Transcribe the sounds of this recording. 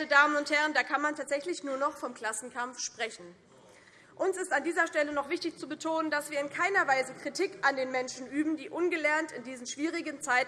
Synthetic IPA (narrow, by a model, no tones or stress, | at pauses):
tədaːmənʊnthɛʁ̞əndaːkʰanmantʰaːtz̥ɛçlɪçnuːɐnɔχfɔmkl̥asn̩kʰamfʃpʁ̥ɛçn̩ | ʔʊnsɪstandiːzɐʃtɛlənɔχv̥ɪçtɪçt͡subətʰoːnəndasv̥iːɐɪnkʰaɪnɐvaɪzəkʁ̥itʰiːkʔandeːnmɛnʃn̩ʔyːbm̩diːʔʊnɡəlɛɐntɪndiːzn̩ʃv̥iːʁ̞ɪɡənt͡saɪt